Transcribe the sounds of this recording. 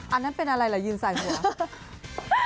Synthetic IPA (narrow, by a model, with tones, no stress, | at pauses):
ʔa˧nːa˦˥npe˧nʔa˧ɾa˧jla˨˩˦jɯː˧nsaː˨˩jhu˩˨˦